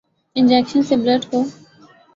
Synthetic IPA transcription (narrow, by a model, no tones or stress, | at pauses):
ɪ̃nd͡ʒɛːkʃənseːbləʈkoː